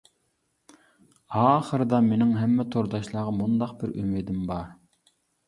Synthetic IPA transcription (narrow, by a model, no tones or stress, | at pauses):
ɑːχəɾɨd̪ɑmenɪŋɦɛmːɛt̪ʰoɾd̪ɑʃlˠɑːʁɑmund̪ɑqbɪɾy̰mɪd̪ɪmbɑɾ